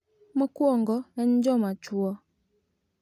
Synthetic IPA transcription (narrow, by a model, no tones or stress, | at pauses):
mɔkwɔŋɡɔɛɲ̩d͡ʒɔmat͡ʃuɔ